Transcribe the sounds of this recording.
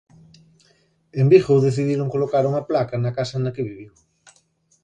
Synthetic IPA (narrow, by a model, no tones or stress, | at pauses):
embixoðeθiðiɾoŋkolokaɾuŋɐplakɐnɐkasɐnɐkeβiβ̞iw